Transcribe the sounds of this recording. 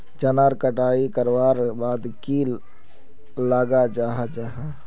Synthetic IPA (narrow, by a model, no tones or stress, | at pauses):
t͡ʃɐnaːɾkəʈaːikəɾʋaːɾbaːd̪ki | laːɡad͡ʒaːɦad͡ʒaːɦa